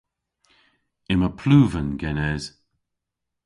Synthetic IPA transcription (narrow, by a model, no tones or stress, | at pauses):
ɪməpʰluːvənɡɛnɛz̥